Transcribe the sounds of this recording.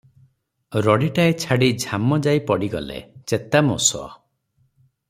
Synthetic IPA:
ɾɔɽiʈaet͡ʃʰaɽid͡ʒʱamɔd͡ʒaipɔɽiɡɔ̰lḛt͡ʃet̪amosɔ̰

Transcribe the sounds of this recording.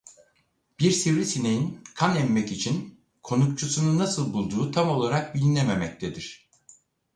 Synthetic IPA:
b̥iɾsivɾisinejinkʰanɛmːɛcit͡ʃʰin | kʰo̞nukt͡ʃʰusununːasɯlˠbulˠd̪uːt̪ʰamo̞lˠaɾak̚bilʲinememɛc̚t̪ʰed̪iɾ̝̥

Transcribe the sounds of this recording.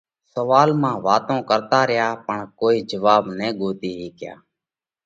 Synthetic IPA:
səʋaːlmãːʋaːt̪õːkəɾt̪aːɾɪjaːpəɳkoːiːd͡ʒəʋaːbnẽːɠoːt̪iːɦiːkja̰ː

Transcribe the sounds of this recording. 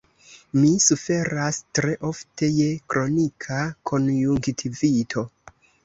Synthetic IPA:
misufe̞ɾastɾe̞ʔo̞fte̞je̞kɾo̞nikʰakʰo̞njuŋktʰivitʰo̞

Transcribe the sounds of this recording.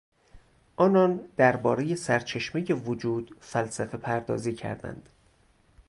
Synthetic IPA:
ʔɒːnɒːnd̪̥æɾbɒːɾeje̞sæɾt͡ʃʰe̞ʃmejevod͡ʒuːd̪̥fælsæfe̞pʰæɾd̪ɒ̰ːziːcʰæ̰ɾd̪æ̰nd̪̥

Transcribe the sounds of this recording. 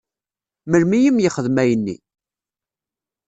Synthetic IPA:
məlmijimjəχəðmæjənːḭ

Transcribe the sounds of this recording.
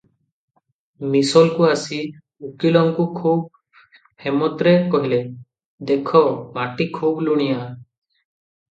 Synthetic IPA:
misɔlkuasi | ukilɔŋkukʰub̚ | hemɔt̪ɾekɔɦile | d̪ekʰɔmaʈikʰubluɽ̃ija

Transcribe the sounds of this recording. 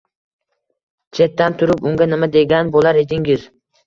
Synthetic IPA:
t͡ʃʰe̞t̪ːant̪ʰʊɾʊpʊŋɡʲanɪmad̪e̞ɡʲanbolaɾed̪ɪŋɡʲɪɾ

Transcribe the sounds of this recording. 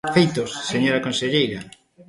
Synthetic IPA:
fejt̪osːeɲoɾɐkonseʎejɾɐ

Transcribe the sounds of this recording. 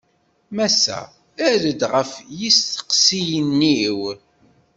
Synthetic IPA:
mæsːæ̰ | æɾəd̪ʁəfjistə̥qsijənːiw

